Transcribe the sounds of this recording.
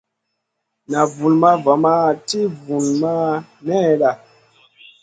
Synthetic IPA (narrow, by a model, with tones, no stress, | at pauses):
na˨vu˨lma˦va˨ma˦˨ti˦vu˨lma˦nɛ˦ɗa˨